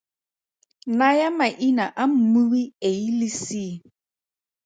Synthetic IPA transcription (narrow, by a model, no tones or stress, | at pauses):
najamaʔinaʔam̩muwieilisi